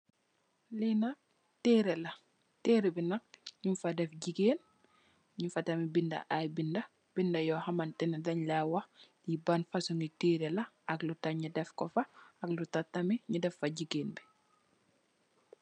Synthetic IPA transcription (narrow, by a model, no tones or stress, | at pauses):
linɐk̚ | teɾɛlɐ | teːɾebinɐk̚ɲumfadɛfɟikeːn | ɲufɐtɐmibindɐ̰ʔajbindɐ | b̥indɐjɔhɐmantɛnɛdɐɲlawɐxlibanfɐsuŋitiːɾelɐ | ɐklutɐɲidɛfkɔfɐɐklutatːɐmiɲudɛfːɐɟiɡeːnbi